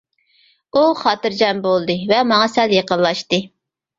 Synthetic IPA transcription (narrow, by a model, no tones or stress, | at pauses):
uχɑːt̪ɨɾd͡ʒɑnbolˠd̪ɨvɛmɑŋɑsɛljəqəllːˠɑʃt̪ɨ